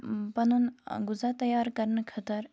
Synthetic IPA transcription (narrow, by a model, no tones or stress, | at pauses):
pɐnunɡʊzat̪ɐjaːɾkɐɾnəkʰɐt̪əɾ